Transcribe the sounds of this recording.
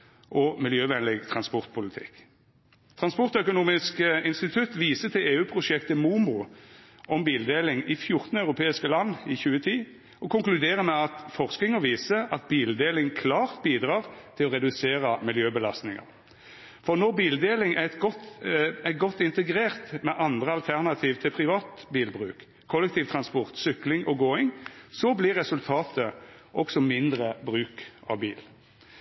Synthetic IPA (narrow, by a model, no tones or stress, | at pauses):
ʔɔmɪljøːʋɛnlɪɡt̪ʰʁɑnspɔʁt̪̚pʰʊlɪt̪ʰɪ̰kː | t̪ʰʁɑnspɔʁt̪œkʊnuːmɪskɪnst̪ɪt̪ʰʉt̪ːʋiːsət̪ʰɪleːʉːpʰʁʊʃɛkt̪əmuːmʊ | ʔɔmbiːld̪eːlɪŋɪfjʊʁt̪n̩œʉʁʊpʰeːɪskəlɑnːɪçʉːət̪ʰiː | ɔkʊŋklʉd̪eːʁəmɛɑt̪fɔʁsk̪ɪŋəʋiːsəɑt̪̚biːld̪eːlɪŋkʰlɑːʁt̪̚biːd̪ʁɑːʁt̪ʰɪlɔʁɛd̪ʉseːɾɑmɪljøːbəlɑst̪nɪŋə̰ʁ | fɔʁnɔʁbiːld̪eːlɪŋæt̪ɡɔt̪ætɡɔt̪ːɪnt̪əɡɾeːʁt̪mɛʔɑnd̪ʁəɑlt̪ʰæʁnɑt̪ʰiːʋt̪ʰɪlpʰʁɪʋɑːt̪biːlbʁʉ̰ːk | kʰːɔlːɛkt̪ʰiːʋt̪ʰʁɑnspɔʁt̪sʏklɪŋʔɔɡoːɪŋsɔblɪʁɛsʉlt̪ʰɑːt̪əʔɔksɔmɪnd̪ɾəbʁʉːkɑ̰ʋbiːl